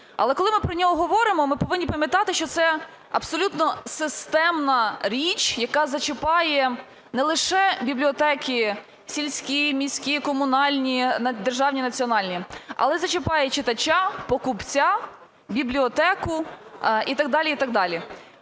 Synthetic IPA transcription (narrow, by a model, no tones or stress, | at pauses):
ɐ̰lˠɛkɔlˠɪmɪpɾɔnʲɔɦɔɦɔʋɔɾɪmɔmɪpɔʋɪnʲːipɐmʲjɐt̪ɑt̪ɪʃt͡ʃɔt̪sɛ | ɐbsɔlʲut̪nɔsɪst̪ɛmnɐɾʲit͡ʃjɐkɑzɐt͡ʃɪpɑjɛ | nɛlˠɪʃɛbʲiblʲiɔt̪ɛkʲi | sʲilʲsʲkʲimʲisʲkʲikɔmʊnɑlʲnʲid̪erʒɑwnʲinɐt͡sʲiɔnɑlʲnʲiɐ̰lˠɛzɐt͡ʃɪpɑjɛt͡ʃɪt̪ɐt͡ʃapɔkʊpt͡sʲa | bʲiblʲiɔt̪ɛkʊit̪ɐɡ̚d̪ɑlʲiit̪ɑɡ̚d̪ɑlʲi